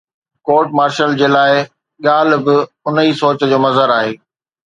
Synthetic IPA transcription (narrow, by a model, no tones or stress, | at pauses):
koːɾʈ̚maːɾʃəld͡ʑeːlaːɪ | ɠaːlbɪ | ʊnəisoːt͡ɕəd͡ʑoːmɐzəɾaːɦeː